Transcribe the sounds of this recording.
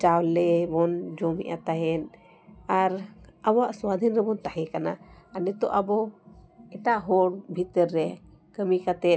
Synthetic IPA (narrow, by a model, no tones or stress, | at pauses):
t͡ʃawlɛbɔnd͡ʒɔmɛ̰ʔa̰t̪aɦɛn | aɾabaʔswad̪ʱinɾɛbɔnt̪aɦɛkana̰anɛt̪ɔʔabɔ | ɛʈaʔɦɔɽbʱit̪əɾːɛ | kəmikat̪ɛ